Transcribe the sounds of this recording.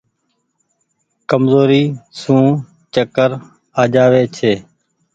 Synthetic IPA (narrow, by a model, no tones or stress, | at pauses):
kəmzoːɾiːsũː | t͡ʃəkəɾ | aːd͡ʒaːʋeːt͡ʃʰeː